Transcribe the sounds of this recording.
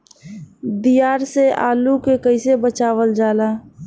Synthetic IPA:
bijaːɾsea̰ːlukekəɪsebət͡ʃaːwəld͡ʒaːlaː

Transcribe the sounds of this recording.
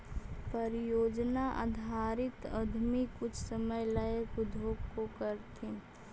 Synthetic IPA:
pəɾɪjoːd͡ʒnaʔa̰d̪ʱaːɾɪt̪əd̪ʱmikʊt͡ʃʰsəməjləəkʊd̪ʱoːɡkokəɾt̪ʰĩ

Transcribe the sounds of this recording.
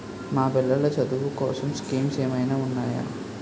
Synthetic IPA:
maːpɛlːɐɭɐt͡ʃɐd̪uʋukɔːsɐmskiːmt͡ʃejɐmɐjnaːunːaːja̰ː

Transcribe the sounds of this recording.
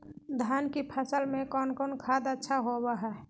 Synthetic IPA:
d̪ʱjaːnkipʰəsəlmẽkɔːnkɔːnkʰaːd̪ətːʃʰaɦobaɦɛ

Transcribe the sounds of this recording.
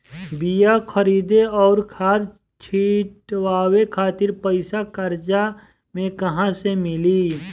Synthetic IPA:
bijakʰəɾiːd̪eɔːɾkʰaːɾ | t͡ʃʰiːʈwaːwekʰaːt̪ɪɾpəɪsakəɾd͡ʒa | mẽkɐɦãsemɪli

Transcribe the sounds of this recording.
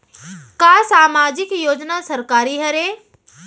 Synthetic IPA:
kaːsaːmaːd͡ʒɪkjoːd͡ʒnasɐɾkaːɾiɦɐɾe

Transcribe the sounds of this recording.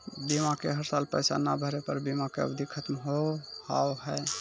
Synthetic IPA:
bimakḛɦəɾsalpəjsa̰nabʱəɾepəɾbimakeə̰bd̪ʱikʰət̪mɦoha̰oɦɛ

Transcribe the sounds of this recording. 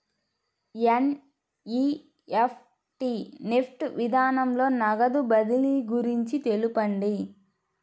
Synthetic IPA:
en | i | epʰ | ʈinepʰʈʋid̪ʱaːnɐmlo̞ːnɐɡɐd̪ubɐd̪iliɡuɾiɲt͡ʃit̪e̞lupɐɳɖi

